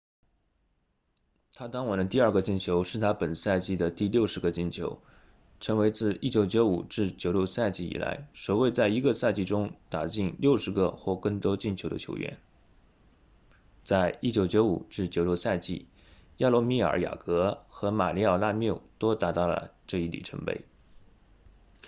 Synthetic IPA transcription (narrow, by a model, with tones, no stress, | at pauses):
t̪ʰa˥t̪ɑ˥ŋwa˨˩nd̪ə˦t̪̬i˥˧ɐ˞˥˩ɡə˧t͡ɕi˥˩nt͡ɕʰjo˧˥ʊʂɻ̩˥˩t̪ʰa˥pə˨˩nsa˥˧ɪt͡ɕi˥˩d̪ə˩t̪i˥˧ljo˥˩ʊʂɻ̩˧˥ɡə˧t͡ɕi˥˩nt͡ɕʰjo˧˥ʊ | ʈ͡ʂʰɤ˧˥ŋwe˧˥ɪt͡sɹ̩˥˩i˥˩t͡ɕjo˧˥ʊt͡ɕjo˧˥ʊṵ˨˩ʈ͡ʂɻ̩˥˩t͡ɕjo˨˩ʊljo˥˧ʊsa˥˧ɪt͡ɕi˥˩ḭ˨˩la̰˧˥ɪʂo˨˩ʊwe˥˧ɪt͡sa˥˩ɪi˧˥ɡə˧sa˥˧ɪt͡ɕi˥˩ʈ͡ʂʊ˥ŋt̪a˨˩t͡ɕi˥˩nljo˥˩ʊʂɻ̩˧˥ɡə̰˧xwɔ˥˧kɤ˥˧˩ŋt̪wɔ˥t͡ɕi˥˩nt͡ɕʰjo˧˥d̪ə̰˧t͡ɕʰjo̰˧˥ʊɥɛ̰˥˩n | t͡sa˥˧ɪi˥˩t͡ɕjo˧˥ʊt͡ɕjo˧˥ʊṵ˨˩ʈ͡ʂɻ̩˥˩t͡ɕjo˨˩ʊljo˥˧ʊsa˥˧ɪt͡ɕi˥˩ja˥˧lwɔ˥mi˥˩ə̰˞˨˩˥ja̰˨˩kɤ˧˥xɤ˧˥ma̰˨˩li˥˧ja˥˩na˥˧mjo˥˩ʊt̪o˥ʊt̪a˧˥t̪ɑ˥˩ʊlə̰˩ʈ͡ʂɤ˥˧i˥˩lḭ˨˩ʈ͡ʂʰə˧˥ŋpḛ˥˩ɪ